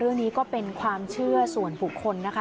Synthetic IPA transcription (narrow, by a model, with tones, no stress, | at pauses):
ɾɯ˥˩ŋniː˦˥kɔː˥˩pe˧nkʰwaː˧mt͡ɕʰɯ˥˩ɐsu˨˩ənbu˨˩kʰːo˧nːa˦˥kʰ